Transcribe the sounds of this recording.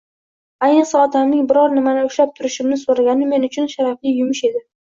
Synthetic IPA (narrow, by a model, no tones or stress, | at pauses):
ajnɨqsaɒt̪ʰamlɪŋbɪɾɒɾnɪmanɪʊʃlap̚t̪ʰʊɾɪʃɪmnɪsoɾaɡʲanɪme̞nʊt͡ʃʰʊnʃaɾaflɪjʊmʊʃe̞d̪ɪ